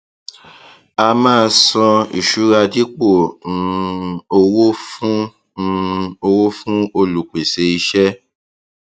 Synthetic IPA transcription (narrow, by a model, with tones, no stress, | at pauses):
a˧mãː˦˧sɔ̃˧ḭ˨ʃu˨˦ɾa˧di˦k͡põ˦˨˧ | o˧wo˦u˦˧ | o˧wo˦fũ˦o˧lu˨k͡pe˨se˧i˧ʃɛ˦